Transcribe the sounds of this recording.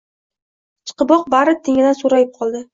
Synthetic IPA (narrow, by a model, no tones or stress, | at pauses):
t͡ʃʰɨ̥qɨbɒq̚baɾɪt̪ʰɪŋɪd̪ansoɾajɪp̚qʰɒlˠd̪ɪ